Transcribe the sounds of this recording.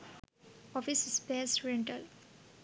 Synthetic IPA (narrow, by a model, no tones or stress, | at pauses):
ɔfisspeːsɾɛ̃ɳʈəl